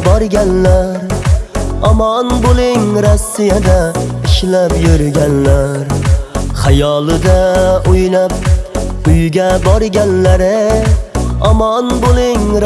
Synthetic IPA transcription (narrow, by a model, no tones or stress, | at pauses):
bɒɾɡʲanlaɾ | ɒmɒnbolɪŋɾasːijad̪aɪʃlapjʊɾɡʲanlaɾχajɒlˠɪd̪aʊjlap̚ | ʊjɡʲabɒɾɡʲanlaɾɪ | ɒmɒnbolɪŋɾ